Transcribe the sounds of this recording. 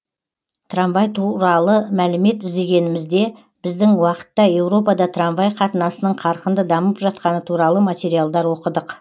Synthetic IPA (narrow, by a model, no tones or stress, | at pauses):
t̪ʰramvɑjt̪ʰuɾɑlˠəmælɪme̞t̪ɪzd̪e̞ɡʲe̞nɪmɪzd̪e̞ | b̥ɪzd̪ɪŋwɑqə̥t̪ːɑje̞wɾo̞pɑd̪ɑt̪ʰramvɑjqʰɑt̪ənɑsənəɴqʰɑɾqənd̪əd̪ɑməpʒɑt̪̚qɑnət̪ʰuɾɑlˠəmat̪ʲe̞ɾijalˠd̪ɑɾwo̞qəd̪əq